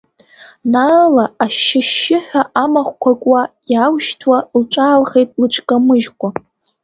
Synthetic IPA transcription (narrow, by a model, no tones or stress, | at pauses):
nalaaʃːɪʃːɪħᶣʷaʔamaχʷkʷʰakʷʼajawʃtʰwalʈ͡ʂʼaːlχejtʼlɨʈ͡ʂʰʼkʼamɨʒkʷʼa